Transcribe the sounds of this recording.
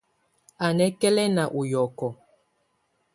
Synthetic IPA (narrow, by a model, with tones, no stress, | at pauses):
a˨nɛ˦kɛ˦lɛ˦na˨ʔu˨jɔ˨kɔ˨